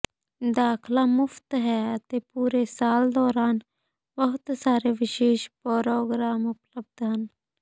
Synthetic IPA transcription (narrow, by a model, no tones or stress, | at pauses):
d̪aːkʰlaːmʊft̪ɦɛːət̪eːpuːɾeːsaːld̪ɔːɾaːn | bəɦʊt̪saːɾeʋɪʃeːʃpɔːɾoːɡɾaːmʊpləb̚d̪ɦən